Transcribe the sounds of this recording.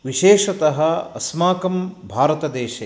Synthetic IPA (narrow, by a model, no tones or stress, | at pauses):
ʋiʃeːʃɐt̪ɐɦɐ̆ɐsmaːkɐmbʱaːɾɐt̪ɐd̪eːʃɐ